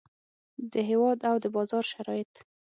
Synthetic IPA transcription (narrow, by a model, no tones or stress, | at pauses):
d̪əɦewɑd̪awd̪əbɑzɑɾʃaɾɑjɪt̪